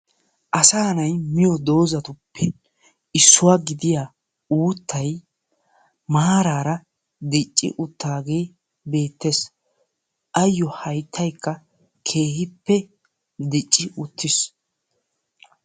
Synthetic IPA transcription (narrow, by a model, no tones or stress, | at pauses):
ʔɐsaːnɐjmɪjɔd̪o̞ːzɐt̪ʊpʰːɛ | ɪsːʊwaːɡɪd̪ɪjaː | uːt̪ːɐj | maːɾaːɾɐ | d̪ɪt͡ʃʼːɪ̰ʔʊt̪ːaːɡe̞ː | be̞ːt̪ːes | ʔɐjːɔhɐjt̪ʰːɐjkːɐ | kʰe̞ːhɪpːɛ | d̪ɪt͡ʃʼːɪʔʊt̪ʰːɪs